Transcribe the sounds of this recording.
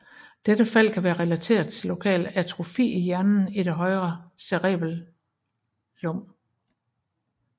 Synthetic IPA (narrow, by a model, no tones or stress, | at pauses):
d̥ed̥əfæl̰kʰæʋæːɐʁɛlæt͡sʰe̝̰ːɐðˠt͡sʰe̝lːo̝kʰɛ̰ːlæɐt͡sʰʁo̝fḭːijæɐnn̩iɾ̥e̝ɦɒ̽ɪʁɐseʁɛ̰ːb̥l̩ | lɔ̽m̰